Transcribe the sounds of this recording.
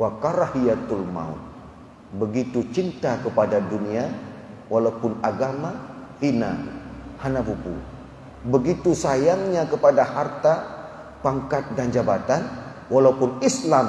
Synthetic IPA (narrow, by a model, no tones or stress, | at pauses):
wakaɾahiat̪ulma̰ṵn | bəɡit̪ut͡ʃint̪akəpadaduniawalaupʊnaɡamahina̰hanapupṵ | bəɡit̪usajaŋɲakəpadahart̪a | paŋkat̪̚dand͡ʒabat̪an | walaupʊnislam